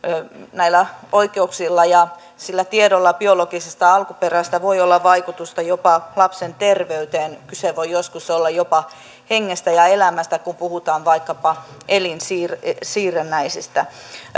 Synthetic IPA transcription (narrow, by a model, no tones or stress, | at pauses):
næilːæoikeuksilːɑjɑ | silːæt̪iedolːɑb̥ioloɡisest̪ɑɑlkuperæst̪æʋoiolːɑʋɑikut̪ust̪ɑjopɑlɑpsent̪erʋeyt̪eːnkyseʋoijoskusolːɑjopɑ | heŋːest̪æjɑelæmæst̪ækumpuhut̪ɑːnʋɑikːɑpɑʔelinsiːrsiːrenːæisist̪æ